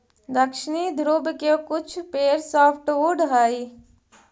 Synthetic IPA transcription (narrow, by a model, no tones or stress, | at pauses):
d̪ɐkʃɪnid̪ʱɾuːbkokʊt͡ʃʰpeːɾsɔːpʰʈʋoːɖɦaːi